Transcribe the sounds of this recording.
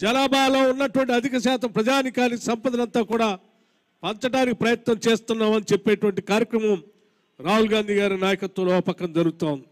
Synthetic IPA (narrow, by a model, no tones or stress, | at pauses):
d͡ʒɐlaːbaːlo̞ːunːɐʈuʋɐɳʈiɐd̪ʱikɐʃaːt̪ɐmpɾɐd͡ʒaːnikaːnisɐmpɐd̪ɐnɐnt̪aːkuːɽaː | pɐnt̪ɐʈaːnikipɾɐjɐt̪nɐmt͡ʃe̞ːst̪unːaːmɐnit͡ʃepːeːʈuʋɐɳʈikaːɾjɐkɾɐmɐm | ɾaːɦulɡaːnd̪ʱiːɡaːɾunaːjɐkɐt̪ʋɐloːpɐkːɐnd͡ʒɐɾuɡut̪aːwund̪i